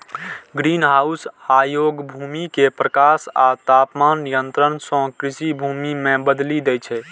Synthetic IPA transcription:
ɡɾinɦaːusajoɡbʱumikepɾəkasa̰t̪apmanːijənt̪ɾənsɔ̃kɾisibʱumimẽbəd̪lid̪ɛt͡ʃʰɛ

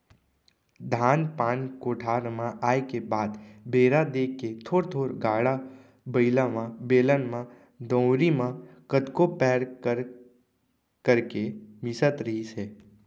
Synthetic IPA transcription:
d̪ʱaːnpaːnkoːʈʰaːɾmãʔaːekebaːd̪beːɾad̪eːkːet̪ʰoːɾt̪ʰoːɾɡaːɽa | bəɪlamãbeːlənmã | d̪ə̃ːɾimãkət̪kopɛːɾkəɾ | kəɾkemɪsət̪ɾəɦiseː

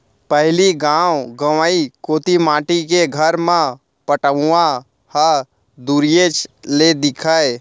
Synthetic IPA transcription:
pəɦliɡãːwɡəʋaikoːt̪imaːʈikeɡʱəɾmã | pəʈəã | hə | d̪uɾijet͡ʃled̪ɪkʰae

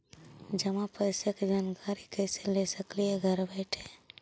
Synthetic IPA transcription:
d͡ʒəmãpəɪseked͡ʒaːnkaɾikəɪselesəkliɦeɡʱəɾbɛɪʈʰẽ

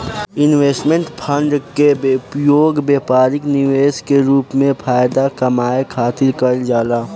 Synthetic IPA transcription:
ɪnʋeːsʈmẽɳʈpʰə̃ɳɖkebpjoːɡbeːpaːɾɪknɪʋeːskeɾuːpmẽpʰaːjd̪akɐmaːekʰaːt̪ɪɾkəld͡ʒaːlaː

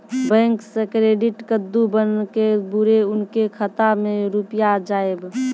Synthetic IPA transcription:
bɛ̃ːŋksekɾeɖɪʈkəd̪ːubənkebʊɾeʊnkekʰət̪amẽɾupjad͡ʒaːeb

